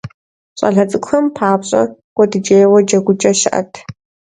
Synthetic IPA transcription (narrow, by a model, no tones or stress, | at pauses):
ɕʼɐ̰ɮɐt͡sʼɨkʷxɐmpʰaːbɕʼɐ̰kʷʼɔdɨd͡ʒeːjwɔd͡ʒɐɡʷʊt͡ʃʼɐʃɪʔɐ̰tʰ